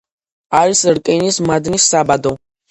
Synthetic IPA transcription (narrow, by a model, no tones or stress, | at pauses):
aɾisɾkʼɛnismad̪nisːabad̪ɔ